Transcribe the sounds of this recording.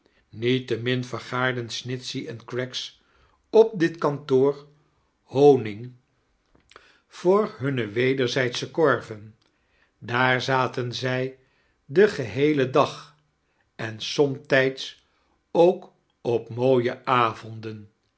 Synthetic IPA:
nitəmɪnvəɹχaːɹdənsnɪtsiʔɛnkɹɛks | ɔp̚dɪtkɑntoːɹ | hownɪŋ | v̥ʊːɹɦɵnəʋejdəɹzɛjtsəkɔɹvən | daːɹzaːtənzɛj | dəχəɦejlədɑχ | ɛnsɔmtɛjts | owk | ɔpmowjəʔaːvɔndən

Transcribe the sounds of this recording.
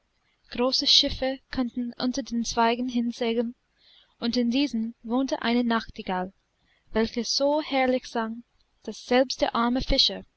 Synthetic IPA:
ɡ̥ʁoːsəʃɪfəkʰɔntn̩ʔʊ̰ntɐdeːnt͡sv̥aɪɡn̩ɦɪnt͡seːɡən | ʊntɪndiːzən̩voːntəʔa̰ɪnənaxtiɡal | vɛlçəz̥oːhɛɐlɪçz̥aŋ | d̥asz̥ɛlpstd̥eːɐʔaɐməfɪʃɐ

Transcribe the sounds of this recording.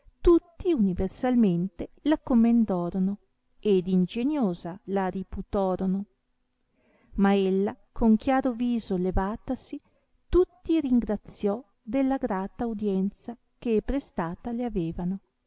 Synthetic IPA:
t̪ut̪ːiuniversalment̪elakːomːend̪ɔːɾono | ed̪ind͡ʒeɲjoːzalaɾiput̪ɔːɾono | maelːa | kʰoŋkjaːɾoviːzolevaːt̪asi | t̪ut̪ːiɾiŋɡɾat̪sjɔ | d̪elːaɡɾaːt̪aud̪jɛnt̪sa | kepɾest̪aːt̪aleaveːvano

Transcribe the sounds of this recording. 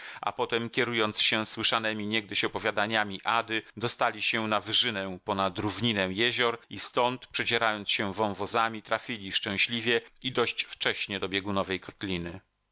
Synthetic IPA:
a̰pɔt̪ɛmkʲɛɾujɔnt̪sɕɛ̃swɘʂanɛmʲiɲɛɡ̚d̪ɘɕɔpɔvʲjad̪aɲamʲiʔad̪ɘd̪ɔst̪alʲiɕɛnavʐɘnɛ̃pɔnad̪ɾuvɲinɛw̃jɛʑɔɾist̪ɔnt̪pʂɛd͡ʑɛɾajɔnt̪sɕɛ̃vɔ̃w̃vɔzamʲit̪ɾafʲilʲiʂt͡ʂɛ̃w̃ɕlʲivʲjɛid̪ɔɕt͡ɕft͡ʂɛɕɲɛd̪ɔbʲjɛɡunɔvɛjkɔt̪lʲinɘ

